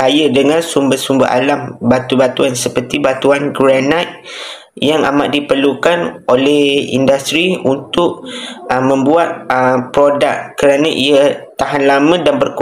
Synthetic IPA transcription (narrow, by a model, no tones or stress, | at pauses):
kajədəŋãnsumbəhsumbə̰ʔa̰lambat̪ubat̪uansəpərt̪ibat̪uanɡɾanat̪̚ | jaŋa̰ma̰ʔdipərlukanolɛhḭndast̪ɾiunt̪ʊʔəmə̃mbuat̪̚əpɾodakkəɾanə̃ʔiət̪aɦanlamə̃danbərk